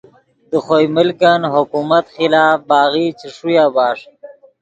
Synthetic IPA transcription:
d̪əxojmɪlkanɦʊkumat̪xɪlaːfbaːɣit͡ʃiʂujabaːʂ

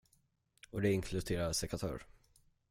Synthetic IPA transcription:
ɔd̪ɛɪŋkʰlɵd̪ʰeːɾaɾsɛkʰat̪ʰœ̰ːɾ

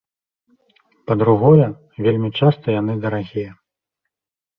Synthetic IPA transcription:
pɐd̪ɾuɣɔjɐ | vʲelʲmʲit͡ʂast̪ɐjanɨd̪ɐɾaɣʲijɐ

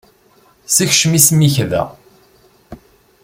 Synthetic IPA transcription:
siçʃmismiçðæ̰

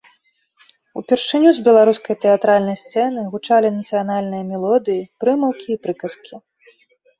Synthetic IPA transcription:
upʲɛrʂɨnʲuzbʲɛlˠaɾuskɐjt̪ɛat̪ɾalʲnɐjst̪sɛnɨɣut͡ʂalʲinɐt̪sɨjanalʲnɨjɐmʲɛlˠɔd̪ɨjipɾɨmɐwkʲʰiːpɾɨkɐskʲi

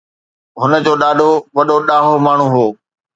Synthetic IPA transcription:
ɦʊnə̆d͡ʑoːɗaːɗʱoʋɐɗoɗaːɦomaːɳ̤ũɦoː

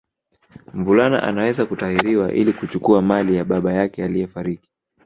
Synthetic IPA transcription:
m̩vulana̰ʔa̰nawɛzakutaiɾiwaʔḭlikut͡ʃukuamalijaɓaɓajakɛalijɛfaɾiki̥

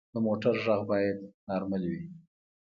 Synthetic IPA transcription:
d̪əmoʈaɾʒaɣbɑjad̪̚nɑɾmalwi

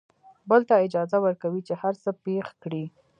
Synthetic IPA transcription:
bəlt̪aɪd͡ʒɑzawəɾkawit͡ʃehaɾsəpexkɽi

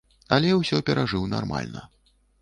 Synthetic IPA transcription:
ɐlʲɛwsʲɔpʲɛɾʔaʐɨwnarma̰lʲnɐ

